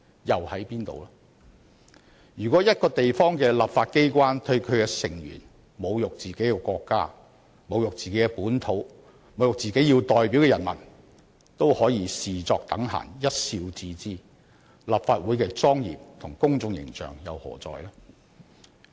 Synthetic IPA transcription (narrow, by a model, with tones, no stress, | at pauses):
jɐ˨whɐ˨˥jpiː˥nt̪o̰˨waː˥ | jyː˨˩kʷɔː˨˥jɐ˥t̚kɔː˧t̪e˨jfɔː˥ŋkɛː˧la˨pfaː˧t̚ke˥jkʷaː˥nt̪ʰɵ˧ɥkʰɵ˨˧ɥkɛː˧sɪ˨˩ŋjy̰ː˨˩n | mo˨˧wjʊ˨k̚t͡siː˨ke˨˥jkɛ˧kʷɔː˧kːa̰ː˥ | mo˨˧wjʊ˨k̚t͡siː˨ke˨˥jkɛ˧puː˨˥nt̪ʰo˨˥w | mo˨wjʊ˨k̚t͡siː˨ke˨˥jiː˧wt̪ɔː˨jpiː˨˥wkɛː˧jɐ˨˩nmɐ˨˩n | t̪o˥whɔː˨˥jiː˨˧siː˨t͡sɔː˧k̚t̪ɐ˨˥ŋɦa̰ː˨˩ŋjɐ˥t̚siː˧wt͡siː˧t͡siː˥ | la˨pfaː˧t̚wuː˨˥jkɛː˧t͡sɔː˥ŋjḭː˨p̚t̪ʰʊ˨˩ŋkʊ˥ŋt͡sʊ˧ŋjɪ̰˨˩ŋt͡ʃœ̰ː˨ŋjɐ̰˨˧whɔ̰ː˨˩t͡sɔ̰ː˨˧jlaː˥